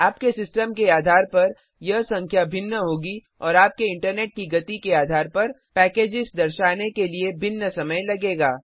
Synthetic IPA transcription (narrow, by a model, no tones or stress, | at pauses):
aːpkesɪsʈəmkeaːd̪ʱaːɾpɐɾ | jɐɦsɐ̃ŋkʰjabʱɪnːəɦoːɡi | ɔːɾaːp̚keɪ̃ɳʈəɾneːʈ̚kiɡɐt̪ikeaːd̪ʱaːɾpɐɾ | pɛːkeːd͡ʒɪsd̪ɐɾʃaːnekeliebʱɪnːəsɐməjlɐɡeːɡaː